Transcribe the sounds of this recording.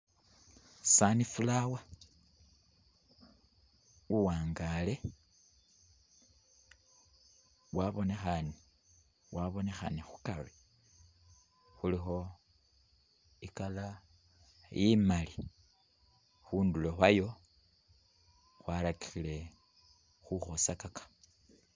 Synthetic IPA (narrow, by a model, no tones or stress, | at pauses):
sanifulawa | uwaːŋɡale̞ | waβo̞ne̞xani | waβo̞ne̞xa̰nixu̥kaβe | xulixo̞ | ikala | jʔimali | xuːndulo̞xwajo̞ | xwalaki̥xile̞ | xuxo̞sakakḁ